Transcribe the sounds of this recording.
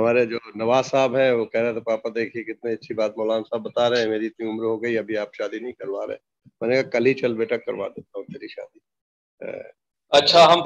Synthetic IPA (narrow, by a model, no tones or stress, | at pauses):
ɦɐmaːɾed͡ʒoːnɐʋaːzaːbɦɛ̃ʋokɛɦɾãɛ̃t̪opaːpəɾd̪eːkʰiekɪt̪neɐtːʃʰibaːt̪mɔːlaːnsaːbːɐt̪aɾɛɦɛ̃meːɾiɪt̪niʊmɾɦoɡɐiɐbʱiaːp̚ʃaːd̪inɐɦĩkɐɾʋaːɾḛḛ̃ː | mɛ̃ːnekakɐlit͡ʃɐlbeːʈakːɐ̰ɾʋa̰d̪eːt̪aɦũt̪eːɾiʃa̰ːd̪i | ɦɛ̰̃ː | ɐtːʃʰaɦɐm